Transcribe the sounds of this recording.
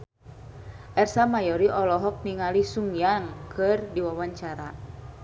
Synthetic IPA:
ʔɛrsamajɔɾiʔɔlɔɦɔk̚niŋalisuŋjaŋkʰɨrdiwawaɲt͡ʃaɾa

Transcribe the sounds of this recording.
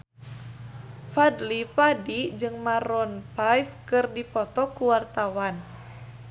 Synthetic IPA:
fadlipadid͡ʒɨŋmaɾɔnpajfkɨrdipɔt̪ɔkuwart̪awan

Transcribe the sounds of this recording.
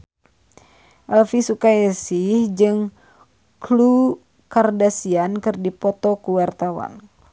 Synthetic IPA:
ʔɛlfisukaɛsihd͡ʒɨŋ | klu | kardasiankɨrdipɔt̪ɔkuwart̪awa̰n

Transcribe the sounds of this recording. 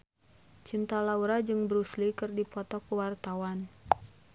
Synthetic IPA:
t͡ʃint̪alauɾad͡ʒɨŋbɾuslikɨrdipɔt̪ɔkuwart̪awan

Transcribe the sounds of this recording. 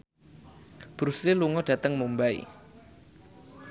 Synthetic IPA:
b̥ɾusliluŋɔɖ̥ä̤t̪əŋmumbaḭ

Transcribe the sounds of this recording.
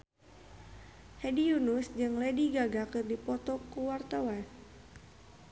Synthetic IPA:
hɛdijunusd͡ʒɨŋlediɡaɡakɨrdipɔt̪ɔkuwart̪awan

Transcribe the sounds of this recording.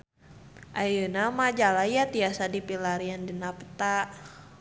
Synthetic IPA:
ʔajənamad͡ʒalajat̪iasadipilaɾiandinapə̥t̪a

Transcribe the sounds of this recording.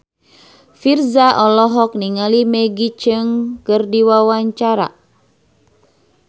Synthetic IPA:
firzaʔɔlɔɦɔk̚niŋalimɛɡit͡ʃɨŋkɨrdiwawaɲt͡ʃaɾa̰

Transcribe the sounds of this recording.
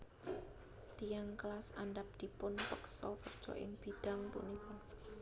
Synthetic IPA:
t̪ijaŋklasandap̚d̪̥i̤pʊnfəksɔkərd̥ʒ̥ɔ̰ʔɪ̰ŋb̥id̪̥a̤ŋpṵnikɔn

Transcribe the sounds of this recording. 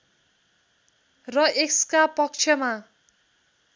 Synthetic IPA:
rʌʔekskapʌk̚t͡sʰjʌma

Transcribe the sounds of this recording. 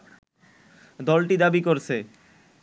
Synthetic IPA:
d̪ɔlʈid̪abikoɾt͡ɕʰe

